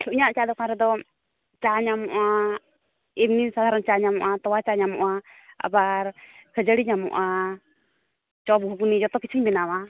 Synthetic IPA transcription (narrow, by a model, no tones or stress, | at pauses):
ɬʰuʔɲaʔt͡ʃad̪ɔkaɾɛd̪ɔ | t͡ʃaɲamɔʔa | imnisad̪ʱaɾənt͡ʃaɲamɔʔat̪ɔwat͡ʃaɲamɔ̰ʔa | a̰baɾkʰəd͡ʒəɽiɲamɔ̰ʔa | t͡ʃɔb̚ɡʱuɡnid͡ʒɔt̪ɔkit͡ʃʰiɲbɛnawa